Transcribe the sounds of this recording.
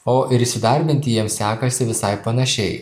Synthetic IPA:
oːʔɪɾɪsʲɪd̪ɑɾʲbʲɪnʲt̪ʲɪjiɛmsʲæːkɐsʲɪʋʲɪsɑɪpːɐnɐʃʲɛɪ

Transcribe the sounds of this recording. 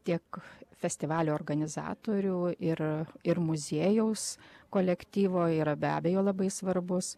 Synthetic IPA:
t̪ʲiɛkfʲɛsʲt̪ʲɪʋɑːlʲuːɔːrɡɐnʲɪzɑ̰ːt̪oːɾʲuːɪrɪrmʊzʲiːjɛʊskoːlʲɛkt̪ʲiːʋoːiːɾɐbʲæ̰ːbʲeːjoːlˠɐbɐɪsʋɐɾbʊs

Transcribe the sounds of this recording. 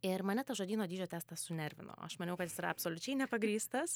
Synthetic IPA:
ɪɾmɐnʲɛt̪ɐʒoːd̪ʲiːnoːd̪ʲiːd͡ʒʲoːt̪ʲæːst̪ɐsʊnʲɛɾʲʋʲɪ̰no̰ːɐ̰ʃmɐnʲɛʊkɐt̪jɪsiːɾɐɐpsoːlʲʊt͡ʃʲɛɪnʲɛpɐɡɾʲiːst̪ɐs

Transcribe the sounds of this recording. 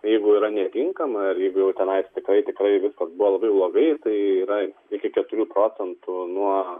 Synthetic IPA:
jɛɪɡʊiːɾɐnʲɛt̪ʲɪŋkɐmɐɪrjɛɪɡʊjɛʊt̪ʲɛnɐɪt̪ʲɪkɾɐɪt̪ʲɪkɾɐɪʋʲɪskɐsbuʋolˠɐbɐɪblˠoːɡɐɪt̪ɐɪiːɾɐɪkʲɪkʲɛt̪ʊɾʲuːpɾoːt͡s̪ʲɛnt̪ʊnuɔ

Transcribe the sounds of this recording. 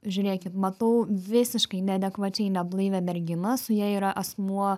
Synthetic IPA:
ʒʲʊɾʲeːkʲɪt̪mɐt̪ɐʊʋʲɪsʲɪʃkɐɪnʲɛɐd̪ʲɛkʋɐt͡ʃʲɛɪnʲɛblˠɨːʋʲɛmʲɛɾʲɡʲɪnɐsʊjiɛiːɾɐʔɐsmuɔ

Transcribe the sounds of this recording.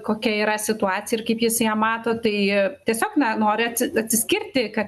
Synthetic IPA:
koːkʲɛiːɾɐsʲɪt̪ʊɑːt͡sʲɪjɪrkɐɪpjɪsjæːmɑːt̪oːt̪ɐɪt̪ʲiɛsʲoːknɐnoːɾʲɪɐt̪ʲsʲɪɐt̪ʲsʲɪsʲkʲɪrʲt̪ʲɪkɐt̪

